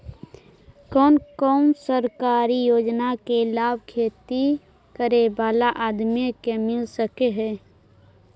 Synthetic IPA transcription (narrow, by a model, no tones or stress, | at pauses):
kɔːnkɔːnsəɾkaːɾijoːd͡ʒnakelaːbʱkʰeːt̪i | kəɾebaːlaʔaːd̪mjekemɪlsəkeɦɛː